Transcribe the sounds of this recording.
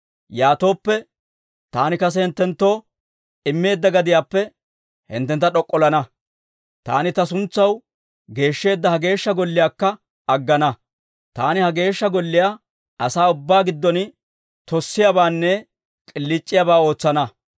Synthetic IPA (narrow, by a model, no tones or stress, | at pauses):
jaːt̪o̞ːpːɛ | t̪aːnɪkɐs̬ɛhɪnt̪ːɛnt̪ːo̞ː | ɪmːe̞ːd̪ːɐɡɐd̪ɪjaːpːɛ | hɪ̰nt̪ːɛnt̪ːɐᶑɔkʼːɔlɐnɐ | t̪a̰ːnɪt̪ɐs̬ʊnt͡sːɐw | ɡe̞ːʃːe̞ːd̪ːɐhɐɡe̞ːʃːɐɡɔlːɪjaːkːɐ | ɐɡːɐnɐ | t̪aːnɪhɐɡe̞ːʃːɐɡɔlːɪjaː | ʔɐsaːʊbːaːɡɪd̪ːɔn | t̪ɔsːɪjabaːnːɛ | kʼɪlːɪt͡ʃʼːɪjaːbaːo̞ːt͡sːɐnɐ